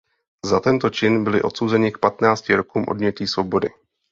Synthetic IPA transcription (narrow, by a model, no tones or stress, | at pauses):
zat̪ɛnt̪o̞t͡ʃɪnbɪlɪʔo̞t̪so̞wzɛɲɪk̚pat̪naːt͡scɪɾo̞kuːmʔo̞̰dmɲɛciːsvo̞bo̞dɪ